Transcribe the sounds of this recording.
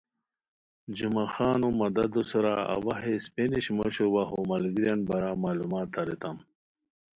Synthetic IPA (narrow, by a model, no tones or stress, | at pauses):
d͡ʑumaxaːnumɐd̪ad̪osɐɾaa̰waɦespeniɕmoɕowaɦomɐlɡiɾjanbɐɾamaːlumaːt̪aɾet̪am